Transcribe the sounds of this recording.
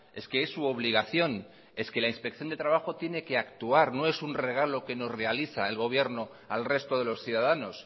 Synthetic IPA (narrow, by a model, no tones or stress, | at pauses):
e̞ske̞esːuo̞β̞liɣ̞aθjo̞n | e̞ske̞lainspekθjo̞nd̪e̞t̪ɾaβaxo̞t̪je̞ne̞ke̞akt̪uaɾno̞e̞sunre̞ɣ̞alo̞ke̞no̞sre̞aliθaelɣo̞β̞je̞ɾno̞ | alre̞st̪o̞ð̞e̞lo̞sθjuðaðano̞s